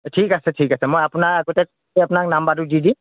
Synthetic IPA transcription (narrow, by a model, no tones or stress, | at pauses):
tʰikasetʰikasemojapunaakɔtek̚ | eapunak̚nambaɾudidi